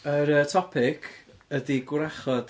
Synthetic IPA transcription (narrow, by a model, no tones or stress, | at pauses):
əɾətʰɔpʰɪkʰədiɡwɾaχɔd